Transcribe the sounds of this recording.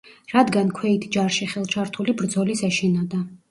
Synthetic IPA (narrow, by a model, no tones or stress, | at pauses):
ɾad̪ɡankʰwɛit̪ʰd͡ʒaɾʃiχɛlˠt͡ʃʰaɾt̪ʰulibɾd̪zɔlisɛʃinad̪a